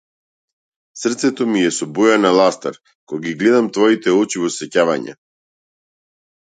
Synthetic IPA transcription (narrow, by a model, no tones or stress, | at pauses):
srt̪sɛt̪ɔmijɛsɔbujanalˠast̪aɾ | kɔjɡiɡlɛd̪amt̪vɔit̪ɛɔt͡ʃivɔsɛcava̰ɲɛ̰